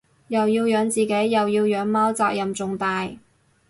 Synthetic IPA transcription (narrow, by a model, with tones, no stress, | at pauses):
jɐ˨wjiː˧wjœː˨˧ŋt͡siː˨ke˨˥jːɐ˨wjiː˧wjœː˨˥ŋmaː˥wt͡saː˧k̚jɐ˨mt͡sʊ˨ŋt̪aː˧j